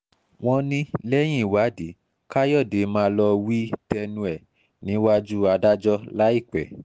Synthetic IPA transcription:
w̃ɔ̃˧nĩ˦lɛ˦j̃ĩ˦˨wa˨˦de˨˦ | ka˦jɔ˦˨de˨˦mãː˦lɔ˧wi˦tɛ˧nũ˧ɛ˨ | nĩ˨˦wa˦d͡ʒu˦a˧da˦d͡ʒɔ˦la˦i˦˨k͡pɛ̰˨

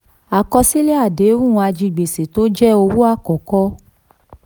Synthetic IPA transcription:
a˨kɔ˧si˦le˦a˦˨de˨˦ɾũ˦˨˧a˧d͡ʒi˧˨ɡ͡be˨se˨to˦d͡ʒɛ˦o˧wu˦a˦˨kɔ˨kɔ˦

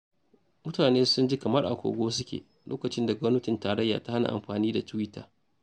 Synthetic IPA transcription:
mʊ˦taː˨neː˦sʊ˦nd͡ʒi˦kɐ˨mɐ˦rʔa̰˨kʷo̰ː˨ɡʷoː˦s̬ʊ˦kʲḛː˨ | lʔo̰ː˦kɐ˨t͡ʃɪ˦nda˨ɡʷɔ˦mnɐ˦tɪ˨ntaː˨ɾɐ˦jːa̰ː˨ta˦ha˦na̰˨ʔa̰˨mɸaː˨niː˦da˨tʊ˦wɪ˦tːa̰ː˨

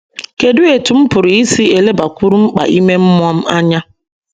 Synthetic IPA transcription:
ke˨dʊ˦e˨tʊ˨m̩˦pʊ˨ɾi˨i˦si˦e˨le˦ba˨kʷu˦ɾu˦ŋ͡m̩˦k͡pa̰˨ʔi˦me˦m̩˦m˦ɔ˦m̩˦a˦ɲa˦

